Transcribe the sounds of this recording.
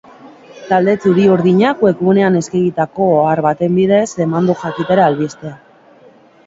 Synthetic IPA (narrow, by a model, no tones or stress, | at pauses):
t̪ald̪e̞t͡suɾiuɾðiɲakwe̞kuune̞ane̞skeɣit̪ako̞aɾβat̪e̞mbiðe̞se̞mand̪uxakit̪eɾaːlβist̪e̞a